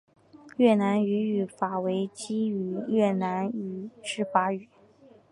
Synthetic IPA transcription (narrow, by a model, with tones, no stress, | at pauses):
jɛ˥˩na˧˥ny˧˥y˨˩fa˨˩we˧˥ɪt͡ɕi˥y˨˩˦jɛ˥˩na˧˥ny˨˩ʂɻ̩˥˩fa˧˥y˨˩˦